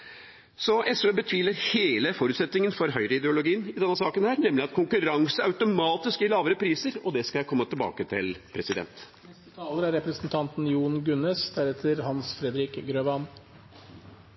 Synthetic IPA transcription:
sɔʔɛsøːbət̪ʰʋiːləɾheːləfɔɾʉt̪sɛt̪nɪŋənfɔɾɦœʏɾəɪd̪ɛʊlʊɡiːnɪd̪ɛnːəsɑːkənhæːɾnɛmlɪɑt̪̚kʰʊŋkʉɾɑŋsəɑʉt̪ʊmɑːt̪ɪskɪlɑːʋəɾəpʰɾiːsəɾɔd̪ɛskɑljæɪkʰɔmːət̪ʰɪlbɑ̰ːkət̪ʰɪlpʰɾɛsɪd̪ɛ̰nt̪nɛst̪ət̪ʰɑːləɾæɾɾɛpɾəsnt̪ʰɑnt̪n̩juːɳɡʉnɛsd̪æɾɛt̪ʰəɾhɑnsfɾɛd̪ɾɪkɡɾøːʋɑn

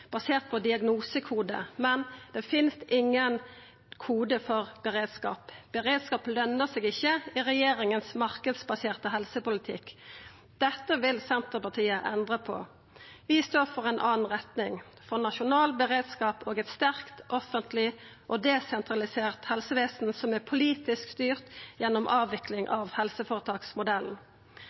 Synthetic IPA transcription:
b̥ɑseːʁt̪̚pʰɔd̪ɪɑɡnuːsəkʰuːd̪ə̰mɛnd̪̥ɛːfɪnst̪ʔɪŋːən | kʰuːd̪əfɔʁbəʁeːd̪skɑ̰ːpb̥əʁeːd̪skɑːplœnːəseːɡɪçːəɪʁɛjeːʁɪŋənsmɑʁkəd̪sbɑseːʁt̪əɦɛlsəpʊlɪt̪ʰɪkː | d̪̥ɛt̪ːəʋɪlsɛnt̪əʁpɑt̪ʰiːəʔɛnd̪ʁəpʰɔ̰ | ʋɪst̪oːʁfɔʁɛɪnʔɑːn̩ʁɛt̪nɪŋ | fɔʁnɑʃʊnɑːlbəʁeːd̪skɑːpʰoːɡɛt̪st̪æʁkt̪ʔɔfənt̪ʰlɪʔɔd̪ɛːsɛnt̪ʰʁɑlɪseːʁt̪hɛlsəʋeːsn̩sɔmæpʰʊliːt̪ɪskst̪yːʁt̪jɛnːɔmʔɑːʋɪklɪŋʔɑʋhɛlsəfoːʁət̪ʰɑːksmʊd̪ɛln̩

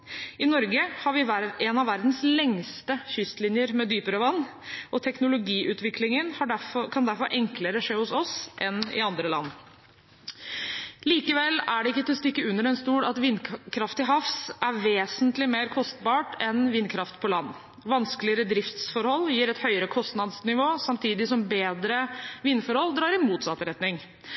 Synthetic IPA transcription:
ɪnɔɾɡəhɑʋɪɛnɑʋːæɾd̪n̩slɛŋst̪əçʏst̪lɪnjəɾmɛd̪yːpəɾɑʋɑnː | ʔɔt̪ʰɛknʊlʊɡiːʔʉːt̪ʋɪkʰlɪŋənhɑkʰɑnd̪æɾfɔɾʔɛŋkləɾəʂeːhʊsɔsʔɛnɪ̰ɑnd̪ɾəlɑ̰nː | liːkəʋɛlːæɖɛɪkːət̪ʰɪlɔst̪ɪkːəʉnːəɾɛnst̪uːɽɑt̪ʋɪnːkʰɾɑft̪ɪɦɑfsʔæɾʋeːsənt̪lɪmeːɾkʰɔst̪bɑːʈɛnʋɪnkʰɾɑft̪pʰɔlɑnː | ʋɑnsklɪəɾəd̪ɾɪft̪sfɔɾhɔlːjiːɾɛt̪hœʏəɾəkʰɔst̪nɑd̪snɪʋoːsɑmt̪ʰiːd̪ɪsɔmbeːd̪ɾəʋɪnːfɔɾhɔld̪ɾɑːɾɪmuːt̪sɑt̪ɾɛt̪nɪŋ

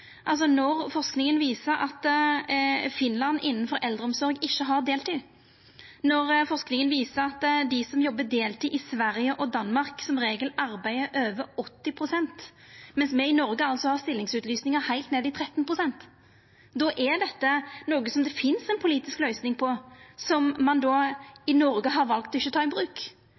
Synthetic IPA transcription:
ʔɑls̬ɔnɔɾfɔʁʂknɪŋənʋiːsəɾʔɑ̰t̪ | fɪnlɑnːɪnːn̩fɔɾʔɛld̪ɾəɔmsɔɾɡɪçːəɦɑɾd̪eːlt̪ʰɪ | nɔɾfɔʁsknɪŋənʋiːsəɾɑt̪d̪ɪsɔmjɔbːəd̪eːlt̪ʰɪʔɪsʋæɾjəʔɔd̪ɑnmɑɾksɔmɾeːɡəlɑɾbæɪəʔøːʋəɔt̪ːɪpʰɾʊsɛnt̪ | mɛnsmɛɪnɔɾɡəɑlsɔhɑʁst̪ɪlːɪŋsʉːt̪lyːsnɪŋəɾhæɪlt̪neːd̪ɪt̪ʰɾɛt̪ːnpʰɾʊsɛnt̪ | d̪ɔʔɛd̪ɛt̪ːənoːɡəsɔmd̪ɛfɪnsɛnpʰʊliːt̪ɪsklœʏsnɪŋpʰɔsɔmːɑnd̪ɔːɪnɔɾɡəɦɑɾʋɑlkt̪ɔɪçːət̪ʰɑːɪbɾʉːk

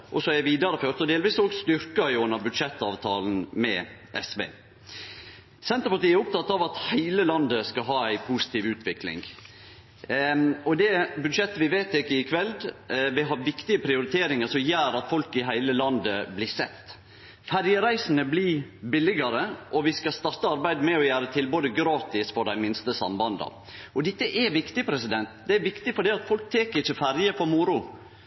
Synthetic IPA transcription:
ʔɔsɔɛʋiːd̪ɑɾəføːɾt̪ɔd̪eːlʋiːsoɡst̪ʏɾkɑʉnːəɾbʉd̪ʂɛt̪ːɑːʋt̪ʰɑːln̩mɛ̰ʔɛsʋḛː | sɛnt̪əɾpɑʈ̪iːæɾʊp̚t̪ʰɑt̪ːɑʋɑt̪hæɪləlɑnd̪əskɑɦɑːæɪpʰusɪ̥t̪iːʋʉːt̪ʰʋɪklɪ̰ŋ | ɔd̪ɛbʉd̪ʂɛt̪ːəʋɪʋeːt̪ɪkːəɪkʰʋɛld̪ʋɪɦɑɾʋɪkt̪ɪəpʰɾɪʊɾɪt̪ʰeːɾɪŋəʂɔmjæːɾɑt̪fɔlkɪɦæɪləlɑnd̪əblɪsɛt̪ː | fæɾjəɾæɪsənəblibɪlɪɡɑɾəʔɔʋɪskɑst̪ɑɾt̪ːəɑɾbæɪd̪mɛɔjæːɾət̪ʰɪlboːd̪əɡɾɑːt̪ɪsfɔɖæɪmɪnst̪əsɑ̰mbɑnd̪ɑ̰ | ɔd̪ɛt̪ːəʔɛʋɪkt̪ɪpʰɾɛsɪd̪ɛnt̪d̪ɛæɾʋɪkt̪ɪfɔɖiːɑt̪fɔlk̚t̪ʰeːkəɾɪçːəfæɾjəfɔɾmʊɾʊ

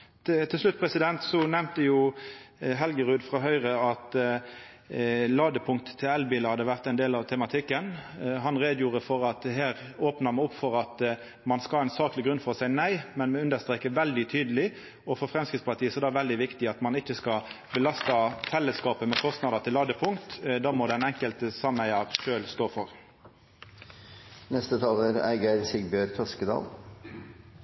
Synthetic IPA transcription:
t̪ʰɪlʂlʉt̪̚ːpʰɾɛsɪd̪ɛnt̪sɔnæmt̪əjʊ | ɦɛlɡəʁʉːd̪fʁɑɦœʏʁəɑt̪ | lɑːd̪əpʰʊŋk̚t̪ə̥t̪ʰːɪlɛlbiːləhɑd̪ːəʋæʁt̪æɪnd̪eːlɑʋt̪ʰɛmɑt̪ʰɪkːənɦɑnʁeːd̪juːʁəfɔɾɑt̪̚ɛɦeːʁ | oːpnəmɛɔpːfɔɾɑt̪ | mɑnskɑlæɪnsɑːklɪɡɾʉnfɔɾsæɪnæɪmɛnmɛʉnd̪əst̪ʁeːkəʋɛld̪ɪt̪ʰyːd̪əlɪ | ɔfɔɾfɾɛmskɾɪt̪spɑt̪iːəsɔd̪ɛːʋɛld̪ɪʋɪkt̪ɪɑt̪mɑnɪçːəskɑ | bəlɑst̪ɑfɛlːəskɑːpəmɛkʰɔst̪nɑd̪ət̪ʰɪlːɑːd̪əpʰʊŋkt̪d̪ɑːmɔd̪ɛnɛŋkəlt̪əsɑmæɪəʁʃøːlst̪oːfɔʁ | nɛst̪ət̪ʰɑləɾæ̰ɪɡəɾsɪɡbøːɾt̪ʰɔskəd̪ɑ̰ːl

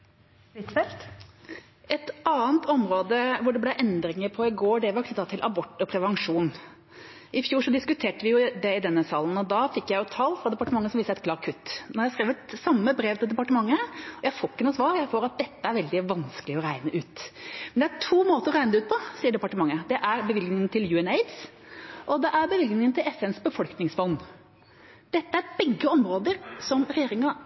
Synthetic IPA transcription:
ɪt̪fɛlt̪ | ʔɛt̪ʔɑːənt̪ʰɔmɾoːd̪əʋʊɖɛblæʔɛnd̪ɾɪŋəɾpʰɔɪɡoːɖɛʋɑk̪ʰɪt̪ːɑt̪ʰːɪlʔɑbɔʈːɔpʰɾɛʋɑŋʂuːn | ʔɪfjuːʂɔd̪ɪskʉt̪ʰeːʈəʋɪjʊd̪ɛɪd̪ɛnːəsɑːlən̩ɔd̪ɑfɪkːjæɪjʊt̪ʰɑːlfɾɑd̪ɛpɑʈəmɑŋːəsɔmʋɪːsəæɛt̪kʰlɑːɾkʰʉt̪ːnɔɾjæhskɾeːʋət̪sɑmːəbɾeːʋt̪ʰɪld̪ɛpɑʈəmɑŋːəɔjæɪfoːɪkːənuːsʋɑːɾjæɪfoːɾɑt̪̚d̪ɛt̪ːəæɾʋɛld̪ɪʋɑnskəlɪɔɾæɪnəʔʉːt̪mɛnd̪ɛæʈʰuːmoːt̪əɾɔɾæɪnəd̪ɛʉːt̪̚pʰɔsiːəɖɛpɑʈəmɑŋːəd̪ɛʔæɾbəʋɪlknɪŋənt̪ʰɪljʉːɛneɪd̪s | ʔɔd̪ɛʔæɾbəʋɪlɡnɪŋənt̪ʰɪlɛfɛnsbəfɔlknɪŋsfɔnː | d̪̥ɛt̪ːəæɾbɛɡːəɔmɾoːd̪əɾsɔmɾɛjeːɾɪŋɑ

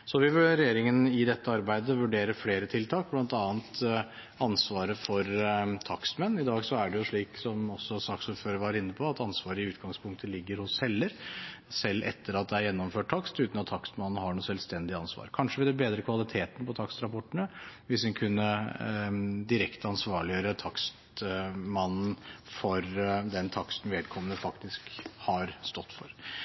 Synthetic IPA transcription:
sɔʋɪʋʉɾɛjeːɾɪŋənɪd̪ɛt̪ːəɑɾbæɪd̪əʋʉɖeːɾəfleːɾət̪ʰɪlt̪ʰɑːk̚blɑnt̪ɑːnt̪ | ɑnsʋɑːɾəfɔɾt̪ʰɑkst̪mɛnːɪd̪ɑːɡsɔæɖɛjʊʂɭiːksɔmɔsːɔsɑksuːɾføːɾəɾʋɑɾɪnːəpʰɔɑt̪ɑnsʋɑːɾəɪʉːt̪ɡɑŋspʰʊŋkt̪əlɪɡːəɾhʊshɛlːəɾsɛlːʔɛ̰t̪ʰːəɾɑt̪̚d̪ɛæɾjɛnːɔmføːʈ̚ʰɑkst̪ʉːt̪nɑt̪ʰːɑkst̪mɑnn̩ɦɑɳuːsɛlst̪ɛnd̪ɪəɑnsʋɑ̰ːɾkʰɑnʂəʋɪɛbeːd̪ɾəkʰʋɑlɪt̪ʰeːt̪n̩pɔt̪ʰɑkst̪ɾɑpʰɔʈːəɳəʋɪsɛnkʰʉnːə | d̪ɪɾɛkt̪ʰəɑnsʋɑːɭɪøːɾət̪ʰɑkst̪mɑnn̩fɔɾd̪ɛnt̪ʰɑkst̪n̩ʋeːd̪̚kʰɔmːənəfɑkt̪ɪskhɑɾst̪ɔt̪ːfɔɾ

